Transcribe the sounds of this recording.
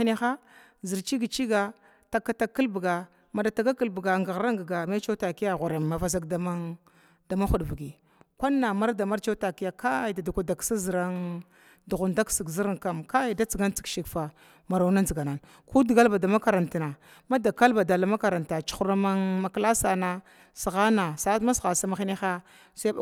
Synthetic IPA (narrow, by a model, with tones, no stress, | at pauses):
ni˦xa˦ | zi˨ɾt͡ʃi˦ɡi˨t͡ʃi˦ɡa˨ | ta˨kːa˨˦ta˨kːi˦lbɡa˨ | ma˨da˨ta˨ɡa˦ki˨lbɡa˨ŋɡa˨ɣɾa˦ŋɡa˨ɡa˨me˦t͡ʃa˦ta˨ki˦ja˦˨ɣu˨ɾa˨ma˨va˨za˦ɡda˨ma˦ | da˨ma˦xu˨dbi˨ɡi˨ | kʷa˦nːa˨ma˦ɾda˨ma˦ɾt͡ʃa˦ta˨ki˦ja˨ka˦i˨da˨da˨kʷa˨da˨ksa˦zi˨ɾa˦ŋ | du˨ɣu˨nda˦ksi˨ɡzi˦ɾa˦ŋka˦mka˦a˨da˦t͡si˨ɡa˦n˦t͡si̥˨kʃi˨kfa˨ | ma˨ɾa˨˦na˦nzi˨ɡa˨na˨n | ku˦di˨ɡa˦lba˨da˨ma˦ka˨ɾa˨nti˨na˨ | ma˦da˨ka˦lba˨da˨la˨ma˦ka˨ɾa˨nta˨t͡ʃu̥˦xu˦ɾa˦ma˦ŋma˦kla˦sa˨na˦ | si˨ɣa˦na˨sa˦ma˦sɣa˨sa˦ma˦xi˦ni˦xa˦ | sa˦˨